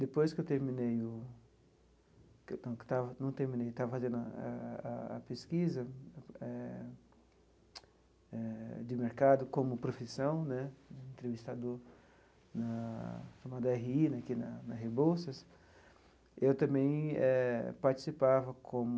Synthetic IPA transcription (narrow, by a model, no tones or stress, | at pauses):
d̪epojskɪewt̪eɾmĩnejʊ | knɐ̃w̃kɪ̥t̪avɐnɐ̃w̃t̪eɾmĩnejt̪avɐfazẽnd̪ʊaɐ̰peskizɐɛ | ɛd̪ɪmeɾkad̪ʊkõmʊpɾofisɐ̃w̃nɛẽnt̪ɾevist̪ad̪ʊ | nɐʃamad̪ɐɛɦiinkinɐnɐshebowsɐs | ewt̪ɐ̃mbẽj̃ɛpaɾt͡ʃ̪i̥sipavɐkʰõmʊ